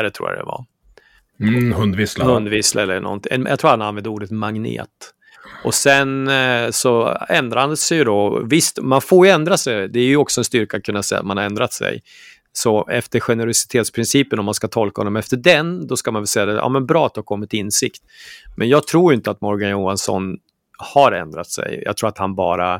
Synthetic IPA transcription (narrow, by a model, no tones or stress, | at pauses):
ɾɛt̪ʰɾṵːja̰d̪ɛ̰va̰ | hɵnd̪vɪslhɵnd̪vɪsla̰ɛlːəɳɔ̰nt̪ɪʔɛnjɑ̰t̪ʰɾuːahananvɛnd̪əuːɖət̪maŋnḛːt̪ | ɔsɛnsɔɛnd̪ɾahand̪ɛsɛjd̪ɔvɪst̪manfoːɾjɵɛnd̪ɾasɛjd̪ɛæɾjɵɔksɔɛnst̪ʏɾkat̪kʰɵnːasɛjːa̰t̪manhaɾɛnd̪ɾat̪sɛ̰j | sɔɛft̪əɾɧɛnəɾʊsɪ̥t̪ʰeːt̪spʰɾɪnsiːpənɔmːanskat̪ʰɔlkahɔ̰nːɔmɛft̪əɖɛnd̪ɔskamanvɛlsɛjːad̪ɛʔɑ̰ːmɛnbɾɑːat̪̚d̪ɛhaɾkʰɔmːɪt̪ʰːɪnːsɪkt̪mʔɛnjɑːɡ̚t̪ʰɾuːjɪnt̪əat̪mɔɾɡanjuːansɔ̰n | haɾɛ̰nd̪ɾat̪sɛ̰jjɑ̰ɡt̪ʰɾuːɾat̪hanbɑ̰ːɾa